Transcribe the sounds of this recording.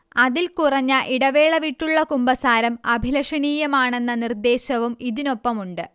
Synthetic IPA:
ɐðilkurɐɲːɐʔiɽɐʋe̞ːɭɐʋiʈːuɭːɐkumbɐsaːɾɐmɐbʱilɐʂɐɳiːjɐmaːɳe̞nːɐnird̪e̞ːɕɐʋumiðino̞pːɐmuɳɖɨ

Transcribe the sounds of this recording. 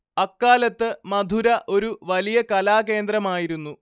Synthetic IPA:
ɐkːaːlɐt̪ːɨmɐd̪ʱuɾɐʔo̞ɾuʋɐlijɐkɐlaːk̬e̞ːnd̪rɐmaːjiɾunːu

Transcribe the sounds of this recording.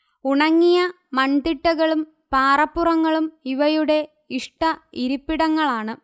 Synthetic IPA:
uɳɐŋːijɐ | mɐnd̪iʈːɐɣɐɭum | paːrɐpːurɐŋːɐɭumiʋɐjuɽe̞ | iʂʈɐiɾupːiɽɐŋːɐɭaːɳɨ

